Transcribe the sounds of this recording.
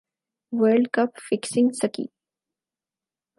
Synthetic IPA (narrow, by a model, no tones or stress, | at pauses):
wəɾɖkɐpfɪksɪ̃ŋɡsəkḭː